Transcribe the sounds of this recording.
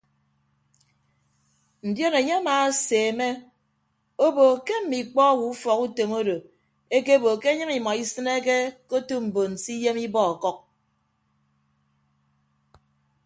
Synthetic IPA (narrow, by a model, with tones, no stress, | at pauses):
n̩˨djo˦ne˨ɲe˦a˦maː˨˦seː˨me˦ | o˦bo˨ke˦m̩˦˨mi˨k͡pɔ˦wu˨u˦fɔ˨ku˦to˨mo˦do˨ | e˦ke˦bo˨ke˦e˦ɲɨ˦ŋi˨ma˨i˦sɨ˦ne˦ke˦ko˦tu˦m̩˨bo˨n̩˨si˦je˦mi˦bɔ˦ɔ˨kɔ˦k̚